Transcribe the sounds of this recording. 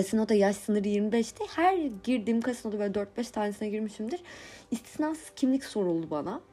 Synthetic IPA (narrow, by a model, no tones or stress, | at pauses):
asinot̪ajaʃsɯnɯɾjiɾmibɛʃt̪ʰɛhæɾɟiɾd̪iːmkʰasinot̪ʰabøːlʲɛd̪øɾt̪̚bɛʃt̪ʰaːnesinaɟiɾmiʃimd̪iɾist̪ʰi̥snaːsz̥cʰimlʲicso̞ɾulˠubana